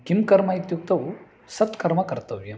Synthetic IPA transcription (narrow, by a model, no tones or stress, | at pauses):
kimkɐɾmait̪juk̚t̪ɐw | sɐt̪kɐɾmɐkɐɾt̪ɐʋje